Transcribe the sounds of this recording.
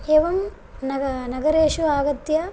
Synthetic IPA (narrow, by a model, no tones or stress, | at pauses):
eːʋɐm | nɐɡɐnɐɡɐɾeːʃuaːɡɐt̪jɐ